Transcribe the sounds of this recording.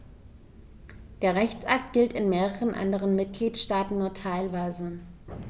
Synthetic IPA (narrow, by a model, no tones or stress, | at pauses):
d̥eːɐʁɛçt͡sʔak̚tɡ̥ɪltɪnmeːʁəʁənʔa̰ndəʁ̞ənmɪt̚ɡ̥liːtʃtaːtn̩nuːɐtʰaɪlvaɪzə